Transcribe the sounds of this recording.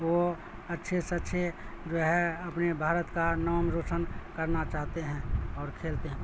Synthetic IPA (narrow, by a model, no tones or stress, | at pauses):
ʋo | ətːʃʰesətːʃʰed͡ʒoːɦɛɐpnebʱaːɾət̪kanɔːmɾoːsənkəɾnat͡ʃaːɦt̪eɦɛ̃ɔːɾkʰeːlt̪eɦɛ̃